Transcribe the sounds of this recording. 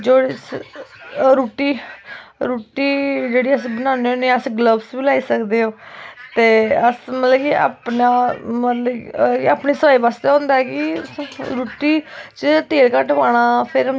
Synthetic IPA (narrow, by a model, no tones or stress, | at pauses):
d͡ʒoːɽ | ɾuːʈiː | ɾuːʈiːd͡ʒeːɽiːəsĩbənãːneõːneːəsɡləbsbiːlaːiːsəkd̪eːɦoːt̪eːəsmət̪ləɡia̰ːpnaːmət̪ləɡkaːpniːsəpaːiːʋaːst̪eõːnd̪aɛːkɪɾuːʈiːt͡ʃət̪eːlkəʈʋaːɽ̃aːpʰɪɾ